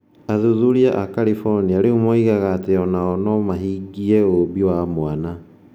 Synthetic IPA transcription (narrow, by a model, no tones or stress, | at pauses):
aðuðuɾiaʔakaɾifɔɾniaɾeumɔiɣaɣaːteɔnaɔnɔmaɦiːɡiɛobiwamoana